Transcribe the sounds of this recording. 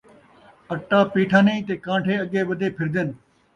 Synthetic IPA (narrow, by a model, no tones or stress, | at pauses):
ɐʈːaːpiːʈʰãːneĩːt̪eːkãːɳʈʰeːɐɠeːʋɐd̪ʱeːpʰɪɾd̪en